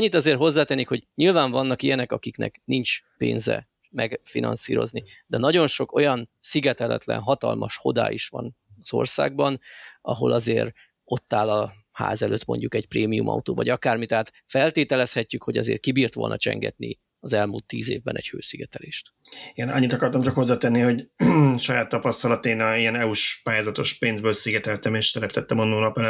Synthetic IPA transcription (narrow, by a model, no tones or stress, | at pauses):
ɲːit̪ɒzeːrɦo̞zːaːt̪enikho̞ɟɲilvaːɱvɒnːɒkijɛnɛkɒkiknɛ̰knint͡ʃpeːnzɛ̰ | mɛɡfinɒ̰nsiːɾo̞̰znid̪ɛnɒɟo̞nʃo̞ko̞jɒnsiɡɛt̪ɛlɛ̰t̪lɛ̰nɦɒt̪ɒ̰lmɒʃho̞d̪a̰ːʔiʃʋɒn | ɒz̥o̞̰rsa̰ːɡ̚bɒnɒɦo̞lʔɒzeːr | o̞t̪ːaːlɒ | ha̰ːzɛløːt̪mo̞̰ɲɟukɛcpreːmijumʔɒ̰ut̪oːvɒɟɒkaːrmit̪ɛɦaːt̪ | fɛlt̪eːt̪ɛlɛshɛcːykho̞ɟɒzḛːrkibiːrt̪ʋo̞̰lnʔɒ̰t͡ʃɛ̰ŋɡɛ̰t̪ni | ɒzɛlmult̪ːiːzeːvbɛnɛɟhøːsiɡɛt̪ɛleːʃt̪eːnɒɲːit̪ɒkɒrt̪ɒmt͡ʃɒkhozːaːt̪ɛnːihoɟʃɒjaːt̪ːɒpɒst̪ɒlɒt̪eːnijɛnɛuʃpaːjaːzɒt̪o̞ʃpeːnzbøːlsiɡɛt̪ɛlt̪ɛmeːʃt̪ɛɾɛpt̪ɛt̪ːɛmonːuːnɒpɛlɛ